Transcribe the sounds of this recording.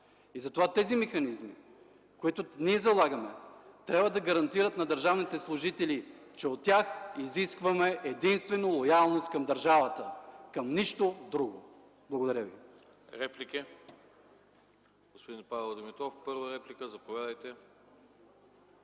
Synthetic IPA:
izɐt̪ovat̪ɛzimɛxɐnizmḭ | koit̪ʊniɛzɐlˠaɡɐmɛt̪ɾʲabvəd̪ɐɡɐɾɐnt̪iɾət̪nɐd̪ɐɾʒavnit̪ɛslˠʊʒit̪ɛli | t͡ʃɛot̪ːʲaxiziskvɐmɛʔɛd̪inst̪vɛnolˠojalˠnost̪kɐmd̪ɐɾʒavɐt̪əkɐmniʃt̪od̪ɾuɡo̰ | blˠɐɡod̪ɐɾʲəvḭ | ɾɛplikʲi | ɡ̥ospod̪inpavɛlˠd̪omit̪ˠɔfpɤɾvəɾɛplʲikəzɐpovʲad̪əjt̪ɛ

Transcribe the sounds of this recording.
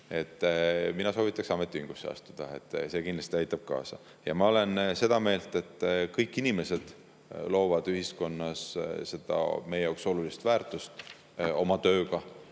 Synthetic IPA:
e̞t̪ːˑminɑso̞ːvit̪ːˑɑksɑmet̪ːˑiyŋɡ̥usːeɑ̰st̪ud̪̥ɑe̞̰t̪ːˑse̞ːkind̪lɑst̪iɑjt̪ːˑɑb̥̚kɑ̰ːsɑ | jɑ̰mɑo̞le̞nse̞d̪̥ɑme̞ːlt̪e̞t̪ːˑkɤjkːˑinime̞se̞d̪̥ | lo̞ːvɑd̪̥yɦisko̞nːɑsse̞d̪̥ɑ̰me̞jejɑokso̞lulist̪væːrt̪ˑust̪ | o̞mɑt̪ø̞ːɡɑ

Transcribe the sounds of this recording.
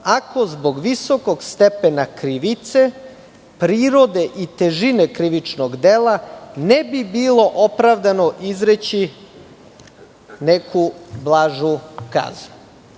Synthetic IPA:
ako̞zbo̞ɡʋiso̞ko̞ɡst̪epenakɾiʋit̪se̞ | pɾiːɾo̞d̪e̞ʔit̪e̞ʒinekɾiʋit͡ʃnoɡd̪elanebibiːlo̞ʔopɾaʋd̪ano̞ʔizɾet͡ɕi | nekʰublˠaːʒuka̰zu

